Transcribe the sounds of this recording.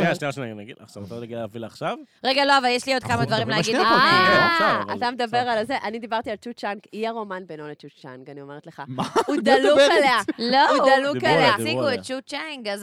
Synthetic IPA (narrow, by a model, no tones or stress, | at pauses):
aʃniaʃenanaɡidaχʃavteʁleɡiavilːχʃavʁeɡalo̞avaljeʃlio̞d̪kamad̪vaʁimlehaid̪aasaa̰t̪amed̪abe̞ʁalzeʔanid̪ibaʁt̪ialt͡ʃut͡ʃanɡiaʁo̞manbenolet͡ʃut͡ʃanɡanio̞me̞ʁet̪leχaaud̪aluualealoudalukaleasiɡuett͡ʃut͡ʃaŋɡaz